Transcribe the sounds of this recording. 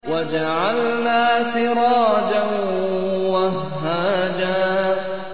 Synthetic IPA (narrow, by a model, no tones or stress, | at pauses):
wad͡ʒaʕalnaːsɪɾˤɑːd͡ʒan | wahːaːd͡ʒaː